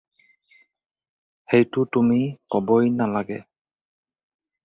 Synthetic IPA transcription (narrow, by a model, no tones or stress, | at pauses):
hejtʊtumikɔbɔjnalaɡɛ̰